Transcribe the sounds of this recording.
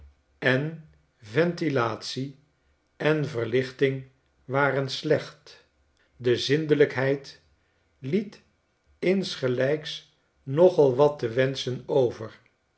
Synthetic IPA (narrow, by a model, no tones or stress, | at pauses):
ɛn | vɛntilaːtsi | ɛnvəɹlɪχtɪŋ | ʋaːrənslɛχt | dəzɪndələkɦɛjt | lit | ɪnsχəlɛjks | nɔχɑlˠʋɑtəʋɛnsənowvəɹ